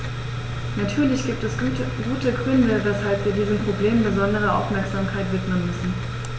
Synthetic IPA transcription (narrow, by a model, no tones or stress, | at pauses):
natʰyːɐlɪçɡ̥iːp̚tɛs | ɡuːtəɡʁʏndəvɛshalpv̥iːɐdiːzəmpʁ̥obleːmbəzɔndəʁ̞ɐʔa̰ʊfmɛɐkz̥aːmkʰaɪtv̥ɪtmənmʏsn̩